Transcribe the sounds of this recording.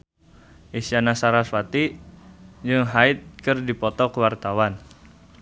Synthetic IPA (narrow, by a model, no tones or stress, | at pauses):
ʔisianasaɾaswat̪i | d͡ʒɨŋɦaɪt̪̚kɨrdipɔt̪ɔkəwart̪awan